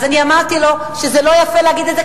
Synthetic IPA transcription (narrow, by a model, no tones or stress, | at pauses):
zaniamaʁt̪ilo̞ | ʃezelo̞jafeleaɡid̪et̪ze